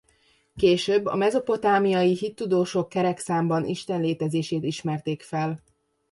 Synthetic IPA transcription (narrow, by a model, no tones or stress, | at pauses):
keːʃøːbːɒ̰mɛzo̞po̞t̪aːmijɒjiɦit̪ːud̪oːʃokːɛɾɛksaːmbɒnḭʃt̪ɛnleːt̪ɛzeːʃeːt̪iʃmɛrt̪eːkfɛl